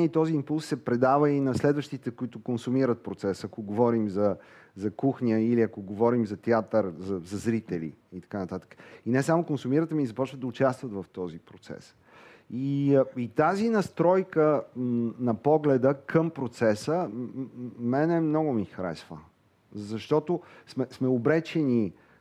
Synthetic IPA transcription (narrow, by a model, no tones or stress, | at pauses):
it̪ɔziːmpulˠsːɛpɾɛd̪avəinɐslɛd̪vəʃt̪it̪ɛkʊit̪ʊkonsumiɾət̪̚pɾot̪sɛsɐkoɡovɔɾimzɐ | zɐkuxnʲiəiliɐkoɡovɔɾimzɐt̪ɛat̪əɾzɐzɐzɾit̪ɛlḭit̪ɐ̥kanɐt̪at̪ə̥kə̥inɛsamokonsumiɾət̪əmiizɐpɔt͡ʃvəd̪əʊt͡ʃast̪vət̪vɐft̪ɔzipɾot̪sɛ̰s | iit̪azinɐst̪ɾɔjkə | nɐpɔɡlɛd̪əkʰəmpɾot̪sɛsə | mɛnɛmnɔɡʊmixɾɛ̰svə̰ | zɐʃt̪ɔt̪osmɛsmɛobɾɛt͡ʃɛni